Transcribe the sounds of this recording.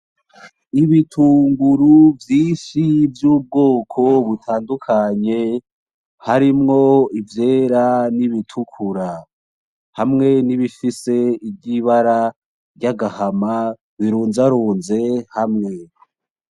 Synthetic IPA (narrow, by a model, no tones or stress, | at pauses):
iβitʰuːŋɡuɾuvjiːʃivjuːb̚ɡo̞ːkʰo̞βutʰaːndukʰaɲe̞ | haɾimŋo̞ivjeːɾaniβitʰukʰuɾa | hamŋe̞niβifise̞ibɟiβaɾa | ɾɟaɡahama | βiɾuːnzaɾuːnze̞hamŋe̞